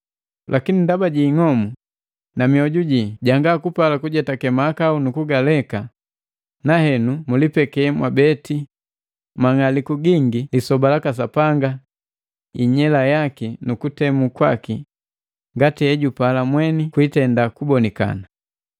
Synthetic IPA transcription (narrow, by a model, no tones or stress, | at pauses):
lʔakinindabaɟiːŋɔmu | namiɔɟuɟiɟaŋɡakupalakuɟɛtakɛmaːkaunukuɡalɛka | nahɛnumulipɛkɛmwabɛti | maŋalikuɡiŋɡilisɔbalakas̬apaŋɡa | iɲɛlajakinukutɛmukwa̰ki | ŋɡatiɛɟupalamwɛnikwitɛndakubɔnika̰na